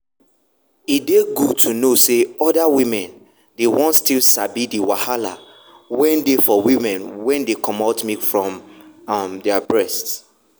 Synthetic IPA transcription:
ideɡutʰunoseɔdawĩmɛ̃n | dewɔ̃ntstilsabidiwahala̰ | wɛ̃ndefɔwimɛ̃nwɛ̃ndekʰɔ̃mɔtmifɹɔ̃mamdɛabɹɛst

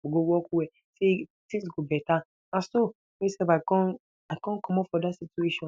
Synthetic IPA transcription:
boɡowɔkuwɛ | setĩsɡobɛta | ãso | mesɛfakɔ̃n | aɪkɔ̃nkʰɔmɔpfɔdatsitueʃɔ̃

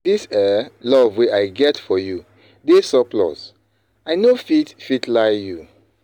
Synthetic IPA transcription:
disɛlɔvweaɪɡɛtfɔju | desɔplɔ̰s | aɪnofitfitʰlaɪju

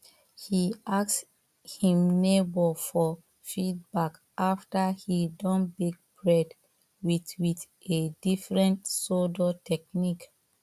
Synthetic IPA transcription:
hiaks | hĩmnebɔfɔ | fid̚bak | ʔaftahidɔ̃nbek̚b̥ɹɛd | witwit | edifɹɛ̃ntsodɔtʰɛk̚nik

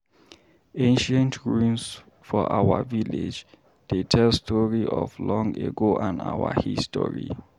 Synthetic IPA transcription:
ẽnʃə̃ntʰɹuns | fɔʔawəviled͡ʒ | d̥etʰɛlstʰɔɹiʔɔvlɔ̃ŋeɡoʔãnawəhistɔ̰ɹḭ

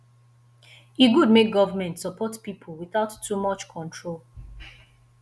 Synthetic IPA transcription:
iɡudmek̚ɡɔvəmɛ̃ntsɔpʰɔtpipʰlwiθaʊtʰːumɔt͡ʃkʰɔ̃ntʰɹol

